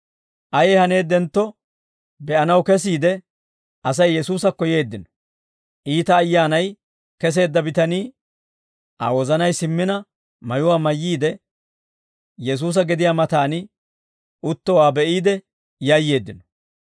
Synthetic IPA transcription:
ʔɐjehɐne̞ːd̪ɛnt̪ːɔ | bɛʔɐnɐwkɛs̬iːd̪ɛ | ʔɐs̬ɐjːɛsuːsɐkːɔje̞ːd̪ːɪnɔ̥ | ʔiːt̪ɐːjːaːnɐj | kɛs̬e̞ːd̪ːɐbɪt̪ɐniː | ʔa̰wɔzɐnɐjsɪmːɪnɐ | mɐjʊwaːmɐjːiːd̪ɛ | jɛs̬uːs̬ɐɡɛd̪ɪjaːmɐt̪aːnɪ | ʊt̪ːɔwaːbɛʔiːd̪ɛ | jɐjːe̞ːd̪ːɪnɔ̥

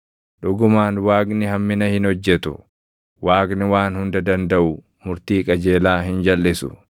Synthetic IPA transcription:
ᶑʊɡʊmaːnwaːɡnɪhɐmːɪnɐhɪnhɔd͡ʒːɛt̪ʊ̰ | waːɡnɪwaːnhʊnd̪ɐd̪ɐnd̪ɐʔʊ | mʊɾt̪iːkʼɐd͡ʒe̞ːlaːɦɪnd͡ʒɐlːɪsʊ̰

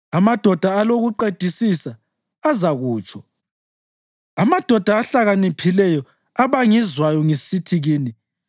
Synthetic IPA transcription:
amad̥ʱɔd̥ʱaaloɣuǃed̥ʱisisaː | zaɣuːt͡ʃʰʼɔ | amad̥ʱɔd̥ʱaːɬaɣanipʰilɛjɔ | aβaŋizwajɔŋesitʰiɣiːni

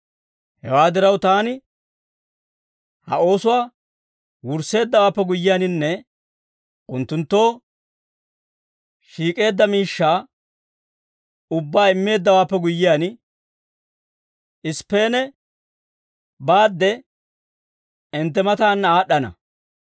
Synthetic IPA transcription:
hɛwaːd̪ɪɾɐwt̪aːnɪ | hɐ̰o̞ːsʊwaː | wʊɾse̞ːd̪ːɐwaːpːɛɡʊjːɪjaːnɪnːɛ | ʔʊnt̪ːʊnt̪ːo̞ː | ʃiːkʼe̞ːd̪ːɐmiːʃːaː | ʊbːaːɪmːe̞ːd̪ːɐwaːpːɛɡʊjːɪjaːn | ɪspːe̞ːnɛ | baːd̪ːɛ | ɪnt̪ːɛmɐt̪aːnːaːɗːɐnɐ̰

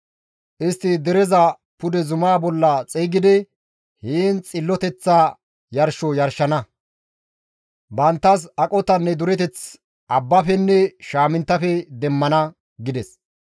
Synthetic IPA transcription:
ʔɪst̪ːɪd̪ɛɾɛzɐ | pʊd̪ɛzʊmaːbɔlːɐt͡sʼiːɡɪd̪ɛ | hiːnt͡sʼɪlːɔt̪ɛt͡sːa | jɐɾʃɔjɐɾʃːɐnɐ | bɐnt̪ːɐs̬ɐkʼɔt̪ɐnːɛd̪ʊɾɛt̪ɛt͡s | ʔɐbːɐfɛnːɛʃaːmɪnt̪ːɐfɛd̪ɛmːɐnɐ | ɡɪd̪ɛs

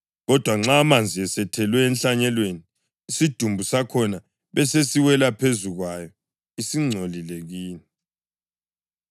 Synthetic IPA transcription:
ɣɔd̥ʱwaŋ͡ǁaːmand͡zʱiɛsɛtʰɛlwɛːnɬaɲɛlweniː | sid̥ʱumbʱusakʰɔna | βɛsesiwɛlapʰezuɣwajɔ | isiŋ͡ǀʱolilɛɣiːni

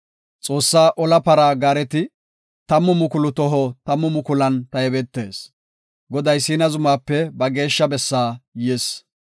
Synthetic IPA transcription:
t͡sʼo̞ːsːaːʔɔlɐpɐɾaɡaːɾɛt̪ɪ | t̪ɐmːʊmʊkʊlʊt̪ɔɦɔt̪ɐmːʊmʊkʊlɐnt̪ɐjɛbɛt̪ːe̞ːs | ɡɔd̪ɐjsiːnɐzʊmaːpːɛbɐɡe̞ːʃːɐbɛsːaːjɛs

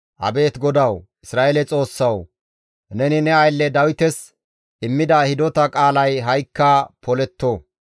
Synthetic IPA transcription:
ʔɐ̰be̞ːt̪ɡɔd̪ɐw | ɪsɾaːʔelɛt͡sʼo̞ːsːɐw | nɛnɪnɛɐjlːɛd̪ɐwɪt̪ɛs | ʔɪmːɪd̪ɐhɪd̪ɔt̪ɐkʼaːlɐjɦɐjkːɐpʰɔlɛt̪ːoː

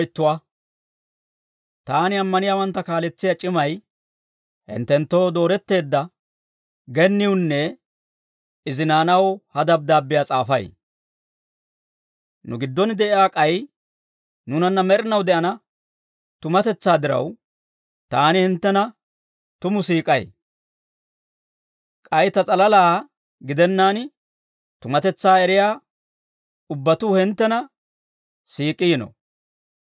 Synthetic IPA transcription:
jt̪ːʊwa | t̪aːnɪɐmːɐnɪjaːwɐnt̪ːɐkaːlɛt͡sːɪjɐt͡ʃʼɪmɐj | hɪ̰nt̪ːɛnt̪ːo̞ːd̪o̞ːɾɛt̪ːe̞ːd̪ːɐ | ɡɛnːɪʊnːɛ | ɪzɪnaːnɐwhɐd̪ɐb̚d̪aːbːɪjat͡sʼaːfɐ̰j | nʊ̰ɡɪd̪ːɔnd̪ɛɪaːkʼɐj | nʊnɐnːɐmɛɾɪnɐwd̪ɛʔɐnɐ | t̪ʊmɐt̪ɛt͡sːaːd̪ɪɾɐ̰w | t̪aːnɪhɪnt̪ːɛnɐ | t̪ʊmʊsiːkʼɐj | kʼɐjt̪ɐt͡sʼɐlɐlaː | ɡɪd̪ɛnːaːn | t̪ʊmɐt̪ɛt͡sːaːɛɾɪjaː | ʊbːɐt̪uːhɪnt̪ːɛnɐ | siːkʼːɪːnɔ̰

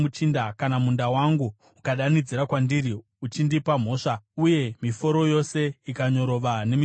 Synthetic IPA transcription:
ut͡ʃindakanamundawaŋɡuː | kaɗanid͡ziɾakwandiɾi | ut͡ʃindipam̤o̞ːʂauje̞mifo̞ɾo̞jo̞se̞ikaɲo̞ɾo̞ʋane̞mi

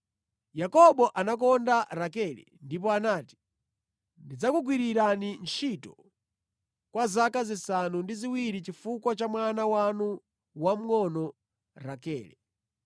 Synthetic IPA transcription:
jakɔɓɔʔanakɔndaɾakɛlɛ̰ndip̬ɔanaːti̥ | ndid͡zakuɡwiɾiɾanint͡ʃitɔ | kwazakazisanundiziwiɾit͡ʃifukwat͡ʃamwanawanu | wam̩ŋɔnɔ | ɾakɛːlɛ̰

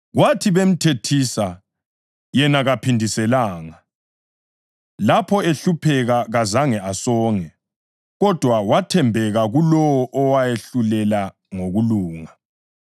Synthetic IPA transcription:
ɣwatʰiβem̩tʰetʰisa | jɛnaɣapʰindʱisɛlaːŋa | lapʰɔeɬupʰɛɣaɣazaŋɛʔasɔːŋɛ | ɣɔd̥ʱwawatʰɛmbʱɛɣaɣulɔwɔʔɔwajeɬulɛla | ŋoɣuluːŋa

